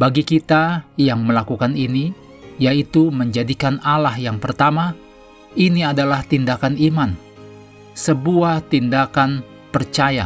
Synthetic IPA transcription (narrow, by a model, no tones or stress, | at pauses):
baɡikit̪ajaŋməlakukanini | jait̪uməɲd͡ʒadikanalahjaŋpərt̪ama | iniadalaht̪indakaniman | səbuaht̪indakan | pərt͡ʃaja̰